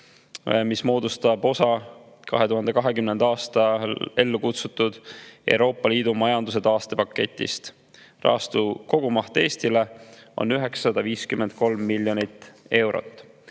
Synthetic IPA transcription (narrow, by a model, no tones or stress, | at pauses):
mismo̞ːd̪ust̪ɑbo̞sɑ | kɑ̰ɦe̞t̪uɦhɑnd̪e̞kɑɦe̞kymnend̪ɑɑːst̪ɑe̞lːukut̪sut̪ːˑud̪̥e̞̰wɾo̞ːpːˑɑliːd̪̥umɑjɑnd̪us̬e̞d̪̥ɑːst̪e̞pɑkːe̞t̪ʲːḭst̪ | rʔɑ̰ːst̪uko̞ɡ̥umɑht̪e̞ːst̪ile̞o̞̰nyɦe̞ksːɑd̪̥ɑviːskymːent̪̚ko̞lmːiljo̞nit̪ːe̞wɾo̞̰t̪ːˑ